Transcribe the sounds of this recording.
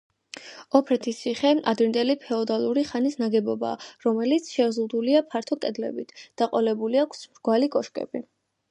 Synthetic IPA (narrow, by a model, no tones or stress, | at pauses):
ɔpʰɾɛt̪ʰisiχɛad̪vind̪ɛlipʰɛɔd̪alˠuɾiχanisnaɡɛbɔba̰ːɾɔmɛlit̪sʰʃɛvzʁud̪uliapʰaɾt̪ʰɔkʼɛd̪lɛ̰bit̪ʰd̪̥aqʼɔlɛbuliakʰsmɾɡwalikʼɔʃkʼɛ̰bi